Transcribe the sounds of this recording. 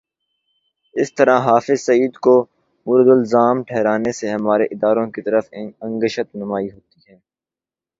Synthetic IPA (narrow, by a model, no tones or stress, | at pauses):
ɪst̪əɾãɦaːfɪzsɐiːd̪ko | mʊɾd̪ʊlzaːmʈʰɛːɾaːneseɦɐmaːɾeʔɪd̪aːɾõkit̪ɐɾəfə̃ŋɡəʃət̪nʊmaːiɦoːt̪iɦɛː